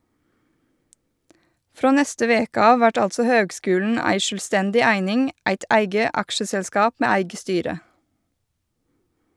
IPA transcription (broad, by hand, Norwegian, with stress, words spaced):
ˈfɾoː ˈnɛstə ˈʋeːkə ˈɑːʋ ˈʋæʈ ˈɑltsœ ˈhøːɡˌskʉːlɳ̩ ˈæɪ ˈʃøːlˌstɛndɪ ˈæɪnɪŋ ˈæɪt ˈæɪɡə ˈɑkʃəsɛlˌskɑːp ˈmeː ˈæɪɡə ˈstyːɾə